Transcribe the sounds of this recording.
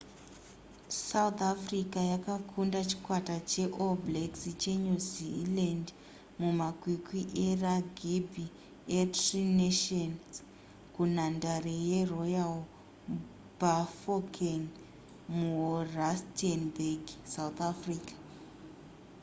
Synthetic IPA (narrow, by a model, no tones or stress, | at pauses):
saut̪afrikajakakʰundat͡ʃi̥kwatat͡ʃe̞ʔobleksit͡ʃeɲuziland | mumakwikiʔeraɡʱibʱi | etrineʃons | kun̤andarejerojal | bafokʰeŋ | muuɦorastenbeɡsawt̪afriːkḁ